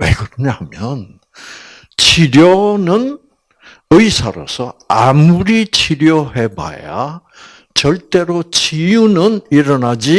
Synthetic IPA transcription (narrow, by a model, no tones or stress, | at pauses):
wḛkɯɾʌɲohamjʌn | t͡ɕʰiɾjʌnɯn | ɯisʰaɾo̰sʰʌamuɾit͡ɕʰiɾjʌɦe̞ba̰ja̰ | t͡ɕʌɭt͈e̞ɾot͡ɕijunɯniɾʌnad͡ʑi